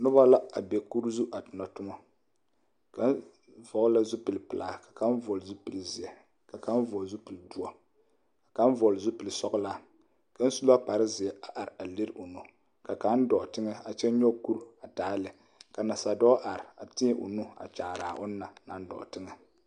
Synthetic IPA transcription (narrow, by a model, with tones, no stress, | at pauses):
nʊ˦ba˦la˦a˨bɛ˨ku˦ɾzu˦ʔa˨tɨ˨nɔ˨tʊ˦mɔ˦ | ka˦n˦ | vɔ˨˦la˦zu˦pɨ˨lpɨ˨laː˨ka˨ka˦n˦vɔ˨lzu˦pɨ˨lzɪ˨ɛ˨ | ka˨ka˦n˦vɔ˨zu˦pɨ˨ldu˦ɔ˨ | ka˨ka˦vɔ˨lzu˦pɨ˨lsɔ˦ɡla˦ | ka˦n̩˦su˦la˦k͡pa˨ɾɨ˦zɪ˨ɛ˨ʔa˨ʔa˨ɾa˨li˦ɾo˨nu˨ | ka˨ka˨˦n˦dɔ˨tɨ˦ŋɛ˦a˨t͡ʃɛ˦ɲɔ˦ku˦ɾa˨taː˨˦lɨ˨ | ka˨na˨sa˨dɔː˦ʔa˨ɾɪ˨a˨tɪ˦ɛ˦ʔʊ̰˨nu˦a̰˨t͡ʃa˨ɾaː˨ʔʊ˦nː˦a˨na̰˦n˦dɔ̰˨tɨ˦ŋɛ˨